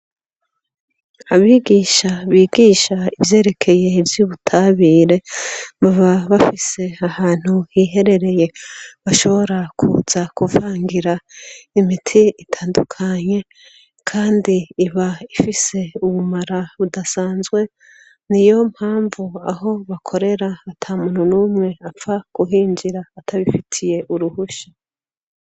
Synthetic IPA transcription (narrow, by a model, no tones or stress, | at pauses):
aβiɡiːʃaβiːɡiːʃaivje̞ːɾe̞kʰe̞je̞ivjuːβutʰaβiːɾe̞muβaβafise̞ahaːn̥huhiɦe̞ɾe̞ɾe̞je̞βaʃo̞βo̞ɾakʰṵz̥akuvaːŋɡiɾaimitʰiitʰaːndukʰaɲe̞ | kʰaːndiːβaifise̞uβumaɾaβudasaːnzɡwe̞ | nijo̞m̥haːɱvua̰ho̞βakʰo̞ɾe̞ɾaːtʰamununuːmŋe̞apfaɡ̥uɦiːɲd͡ʒiɾaːtʰaβifitʰije̞ʔuɾuhuʃḁ